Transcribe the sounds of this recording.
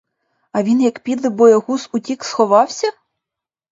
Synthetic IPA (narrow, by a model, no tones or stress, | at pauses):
ɐʋʲinjɐkpʲid̪lˠɪbɔjɛɦusʊtʲiksxɔʋɑwsʲɐ